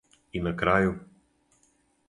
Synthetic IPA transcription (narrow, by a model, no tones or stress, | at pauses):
inːakɾaːju